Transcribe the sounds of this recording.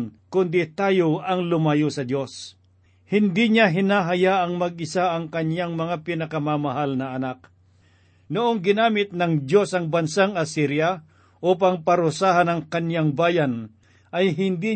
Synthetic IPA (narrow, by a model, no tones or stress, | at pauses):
nkʊnd̪ɪt̪aːjoɐŋlʊmɐjosɐd̪jo̞s | hɪnd̪iɲaɦɪnaɦɐjaʔɐŋmɐɡ̚ɪsaʔɐŋkɐnjaŋmɐŋapɪnɐkɐmamɐɦalnɐɐnak̚ | nʊʔoŋɡɪnaːmɪt̪̚nɐŋd̪jo̞sɐŋbɐnsaŋɐsiɾja | ʔop̬ɐŋpɐɾʊsaːɦɐnɐŋkɐnjaŋbaːjɐn | ʔɐjɦɪnd̪i